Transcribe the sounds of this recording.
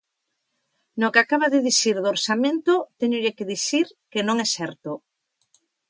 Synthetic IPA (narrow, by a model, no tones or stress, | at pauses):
nokeakaβaðɪðisiɾðoɾsamẽnt̪ʊt̪eɲʊʎekɪðiθiɾkɪnõŋɛsɛɾt̪o